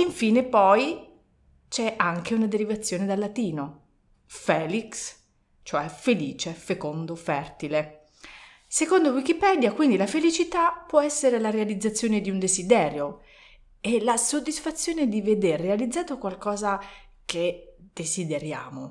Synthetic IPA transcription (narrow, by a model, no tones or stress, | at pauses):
iɱfiːnepɔj | t͡ʃɛʔaŋkeunad̪eɾivat̪sːjoːned̪alːat̪iːno | fɛːliks | t͡ʃoɛfeliːt͡ʃefekond̪ofɛrt̪ile | sekond̪owikipɛd̪jakwind̪ilafelit͡ʃit̪apːwɔɛsːeɾelaɾealid̪zːat̪sːjoːned̪iund̪ezid̪ɛːɾjo | elasod̪ːisfat̪sːjoːned̪ived̪erːealid̪zːaːt̪okwalkɔːza | ked̪̥ezid̪eɾja̰ːmo